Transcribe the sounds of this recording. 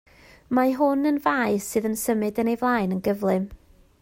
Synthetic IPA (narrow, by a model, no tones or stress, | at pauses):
maɦʊnənvaɨsɨːðənsəmɨdənejvlˠaːjnənɡəvlˠɨm